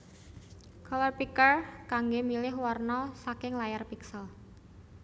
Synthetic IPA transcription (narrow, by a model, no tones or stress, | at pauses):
kʰɔlɔrpikərkaŋɡomilɪɦwɔrnɔsakɪŋlajarpiksəl